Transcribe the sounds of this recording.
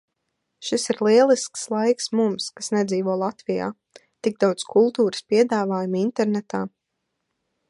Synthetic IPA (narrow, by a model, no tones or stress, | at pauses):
ʃisiɾlˠiɛlˠiskslˠajksmumskasnɛd̪ziːvɔɔlˠat̪vija̰ː | t̪iɡ̚d̪awt̪skʰulˠt̪uːɾə̥spiɛd̪aːvaːjumint̪ɛɾnɛt̪aː